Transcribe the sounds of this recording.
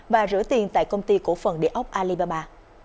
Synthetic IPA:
vaː˨˩zɨ̰˧˥ət̪i˨˩ənt̪a̰ː˧˨jkə˧wŋ͡mt̪i˧ku˧˩əfə˨˩nɗḭ˧˨əʔə˦˥wk͡p̚ʔaː˧li˧ɓaː˧ɓaː˧

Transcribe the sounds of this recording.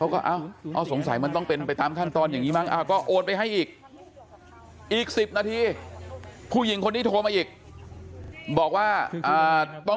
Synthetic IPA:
kʰa˦˥wkɔː˥˩ʔa˧˩wʔa˧˩so˩˦ŋsa˨˩˦jma˧nt̪ɔ˥˩ŋpe˧npa˧jt̪aː˧mkʰaː˥˩nt̪ɔː˧nja˨˩ŋiː˦˥maː˥˩ŋ̚ʔa˧˩wkɔː˥˩ʔoː˧npa˧jɦa˥˩jʔiː˨˩k̚ | ʔiː˨˩k̚si˨˩p̚naː˧t̪ʰiː˧ | pʰuː˥˩ji˩˦ŋkʰo˧nːiː˥˩t̪ʰoː˧maː˧ʔiː˨˩k̚ | bɔː˨˩k̚waː˥˩ʔaː˨˩t̪ɔ˥˩

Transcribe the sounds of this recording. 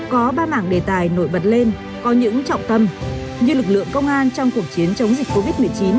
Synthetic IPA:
kɔ˨˦ɓaː˧ma̰ː˧˩ŋɗe˨˩t̪aː˨˩jno̰˧˩jɓə˨˩t̚le˧n | kɔ˨˦ɲɨ̰˧˥ŋt͡ɕɔ̰˧˨wŋ͡mt̪ə˧mɲɨ˧lɨ˨˩k̚lɨ̰˧˨əŋkə˧wŋ͡mʔaː˧nt͡ɕɔ˧wŋ͡mku˨˩ək̚t͡ɕi˨˦ənt͡ɕə˨˦wŋ͡mzi˨˩k̟̚kːo˧vi˦˥t̚mɨ˨˩əjt͡ɕi˨˦n

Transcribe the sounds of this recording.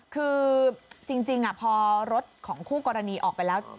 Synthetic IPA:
kʰɯː˧t͡ɕi˧ŋt͡ɕi˧ŋʔa˨˩pʰɔː˧ɾo˦˥t̪̚kʰɔː˩˦ŋkʰuː˥˩kɔː˧ɾa˧niː˧ʔɔ̰ː˨˩k̚pa˧jlɛː˦˥w

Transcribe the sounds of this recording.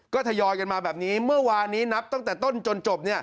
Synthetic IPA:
kɔː˥˩t̪ʰa˧jɔː˧jka˧nmaː˧bɛː˨˩p̚niː˦˥mɯ˥˩ɐwaː˧nːiː˦˥na˦˥p̚t̪ɔ˥˩ŋt̪ɛː˨˩t̪o˥˩nt͡ɕo˧nt͡ɕo˨˩p̚ni˥˩ɐ

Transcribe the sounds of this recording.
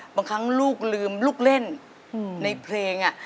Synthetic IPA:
baː˧ŋkʰa˦˥ŋluː˥˩k̚lɯː˧mluː˥˩k̚le˥˩n | na˧jpʰleː˧ŋʔa˨˩ʔ

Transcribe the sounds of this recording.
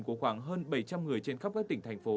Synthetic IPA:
ku˧˩əxwaː˧˩ŋɦəː˧nɓə˧˩jt͡ɕa˧mŋɨ˨˩əjt͡ɕe˧nxp̚kaː˦˥k̚t̪ï˧˩ŋ̟t̪ʰjŋfo˨˦

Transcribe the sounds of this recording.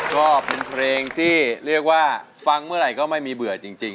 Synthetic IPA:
kɔː˥˩pe˧npʰɾeː˧ŋt̪ʰiː˥˩ɾi˥˩ək̚waː˥˩ | fa˧ŋmɯ˥˩ɐɾa˨˩jkɔː˥˩ma˥˩jmiː˧bɯ˨˩˦t͡ɕi˧ŋt͡ɕi˧ŋ

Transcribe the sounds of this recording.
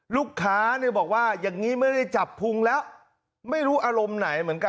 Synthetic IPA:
luː˥˩kʰːaː˦˥ni˥˩bɔː˨˩k̚waː˥˩jaː˨˩ŋːiː˦˥ma˥˩jda˥˩jt͡ɕa˨˩pʰːu˧ŋlɛː˦˥w | ma˥˩jɾuː˦˥ʔaː˧ɾo˧mna˩˦jmɯ˩˦ənka˧

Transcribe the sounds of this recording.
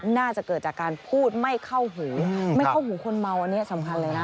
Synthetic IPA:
naː˥˩t͡ɕa˨˩kɤː˨˩t̪̚t͡ɕaː˨˩kːaː˧npʰuː˥˩t̪̚ma˥˩jkʰa˥˩wɦuː˩˦ma˥˩kʰa˥˩wɦuː˩˦kʰo˧nma˧wʔa˧nːi˦˥ɐ˥˧sa˩˦mkʰa˧nlɤː˧jna˦˥

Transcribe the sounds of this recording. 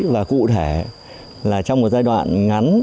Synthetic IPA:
vaː˨˩kṵ˧˨t̪ʰe˧˩ | laː˨˩t͡ɕɔ˧wŋ͡mmo˨˩t̚zaː˧jɗwa̰ː˧˨nŋa˨˦n

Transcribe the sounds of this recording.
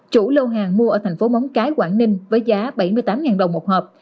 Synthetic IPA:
t͡ɕu˧˩lo˧wɦaː˨˩ŋmu˧əʔəː˧˩t̪ʰɛ˨˩ŋ̟fo˨˦mɔ˨˦wŋ͡mkaː˨˦jkwaː˧˩nnï˧ŋ̟vəː˨˦jzaː˨˦ɓa˧˩jmɨ˧əjt̪aː˨˦mŋaː˨˩nɗə˨˩wŋ͡mmo˨˩t̚həː˨˩p̚

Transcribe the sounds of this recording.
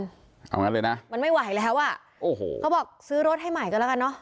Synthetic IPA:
n | ʔa̰˧wŋa˦˥nlɤː˧jna˦˥ʔma˧nma˥˩jwa˨˩˦jlɛː˦˥wʔa˨˩ | ʔoː˨˩ho̰ː˨˩˦kʰa˦˥bɔː˨˩k̚sɯː˦˥ɾo˦˥t̪̚ɦa˥˩jma˨˩jkɔ˧la˦˥ka˧nːɔ˦˥ʔ

